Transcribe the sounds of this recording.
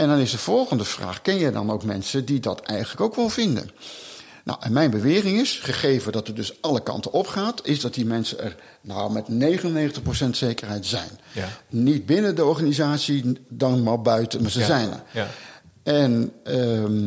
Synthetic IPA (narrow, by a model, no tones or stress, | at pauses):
ɛndɑnɪzdəv̥ɔlˠχəndəv̥ra̰ːχkɪnjɛjdɑ̰nowkmɛ̰nsəndidɑ̰tʰɛ̰jχəntləkowkʋɛlˠvɪndə̰n | nɔ̰wʔɛnmɛjnbəʋɪːrɪŋɪsχəχejvədɑtərdɵsɑlˠəkɑ̰ntənɔpχaːtɪzdɑt̚dimɛnsəɛ̰r | na̰wmɛtnejχənənejχəntəχprowsɛntsejkərɦɛjtz̥ɛ̰jnnit̚bɪnədəɔɹχanizaːtsidɑnmabœɥtənzəzɛjnə̰ | ɛn